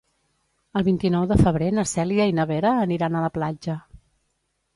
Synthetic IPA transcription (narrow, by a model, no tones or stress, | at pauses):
əlˠβint̪inɔwðəfəβ̞ɾenəsɛliəinəβeɾəːniɾanələplad͡ʒə